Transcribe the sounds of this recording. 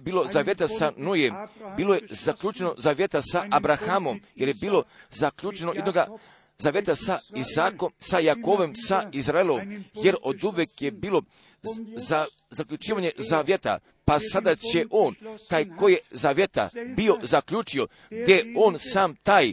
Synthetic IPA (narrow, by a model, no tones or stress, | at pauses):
biːlˠozaʋje̞t̪asanujembiːlo̞jezaklʲʎuːt͡ʃeno̞zaʋʲjet̪asaʔabɾaxamo̞mjeɾje̞biːlo̞zakʎuːt͡ʃenojed̪noɡa | zaʋjet̪asaisaːko̞msajakoːʋemsaizɾailoomjeɾo̞d̪uʋekjebiːlo̞ | a | zakʎʲut͡ʃiːʋaɲe̞zaʋjet̪a̰ | pasad̪at͡ɕe̞ʔoːnt̪aːjkoje̞zaʋjet̪a̰bio̞zakʎuːt͡ʃio̞ | ɡd̪ʲjeoːnsaːmt̪aːj